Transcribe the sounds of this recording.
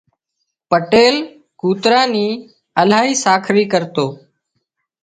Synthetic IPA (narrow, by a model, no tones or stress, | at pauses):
pəʈeːl | kuːt̪ɾaːniː | əlaːɦiːsaːkʰɾiːkəɾt̪oː